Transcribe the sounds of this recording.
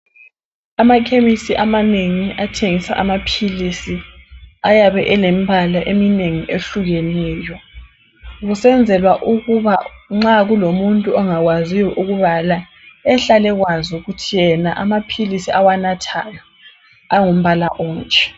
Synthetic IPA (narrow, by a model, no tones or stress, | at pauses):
amakʰemisiʔamaneŋiʔatʰeŋisa̰ʔamapʰilisiajaβɛʔɛlɛm̩bʱalaʔemineŋiʔeɬuɣɛnɛːjɔ | ɣusɛnd͡zʱɛlwaʔuɣuβaŋ͡ǁaɣulomuntʼuɔŋaɣwazijɔʔuɣuβala | ɛɬalɛɣwazuɣutʰijɛnaʔa̰mapʰilisiawanatʰajɔ | aŋum̩βalaʔɔːŋkʰʼɛ̥